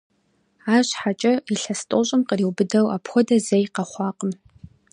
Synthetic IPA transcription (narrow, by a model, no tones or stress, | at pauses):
aːɕħat͡ʃʼɐiɬɐstʼoɕʼɪmqəriwbɨdɐwapʰxʷɔdɐzejqɐχʷɑːqʼəm